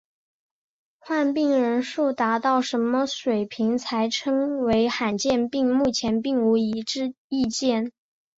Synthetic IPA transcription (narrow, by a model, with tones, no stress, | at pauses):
xwa˥˧npi˥˩ŋɻə˧˥nʂu˥˩t̪a˧˥t̪ɑ˥˩ʊʂə˧˥nmə˧ʂwe˨˩ɪpʰi˧˥ŋt͡sʰa˧˥ɪʈ͡ʂʰɤ˥ŋwe˧˥ɪxa˨˩nt͡ɕjɛ˥˧npi˥˧ŋmu˥˩t͡ɕʰjɛ˧˥npi˥˩ŋu˧˥i˧˥ʈ͡ʂɻ̩˥˧ | i˥˧t͡ɕjɛ˥˩n